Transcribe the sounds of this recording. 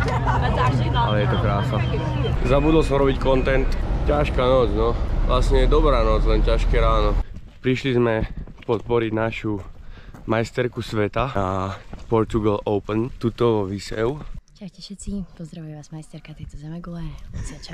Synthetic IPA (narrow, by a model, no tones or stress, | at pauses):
alɛjɛt̪ɔkɾaːsa | zabud̪l̩sɔmɾɔbickɔnt̪ɛnt̪caʃkaːnɔd͡znɔʋlasɲɛjɛd̪ɔbɾaːnɔd͡zlɛncaʃkɛɾaːnɔ | pɾiʃlizmɛpɔt̪̚pɔɾiɟnaʃu | majst̪ɛɾkusʋɛt̪aapɔɾt̪uɡalɔʊpnt̪uːt̪ɔʋisɛʊt͡ʃaxcɛʃɛt̪t͡sipɔzd̪ɾaʋujʋaːzmajst̪ɛɾkat̪ɛjt̪ɔzɛmɛɡɔlɛɔt͡sɪat͡ʃa